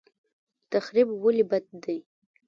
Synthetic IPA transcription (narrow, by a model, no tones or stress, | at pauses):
t̪ʰaχɾibwʊlibat̪̚d̪ɨ